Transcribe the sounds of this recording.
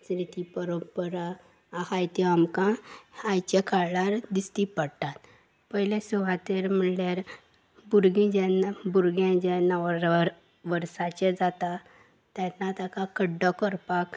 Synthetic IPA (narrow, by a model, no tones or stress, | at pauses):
sɾit̪ipəɾobpəɾa | ahajt̪iamkãajt͡ɕekaɭlaɾd̪ist̪ipəɽt̪at̪ | pəɦilẽsuʋat̪eɾm̤əɳljaɾ | buɾɡĩd͡ʑɛnabuɾɡãd͡ʑɛnaʋə | ʋəɾsat͡ɕed͡zat̪a | t̪janːat̪akakəɖːɔkəɾpak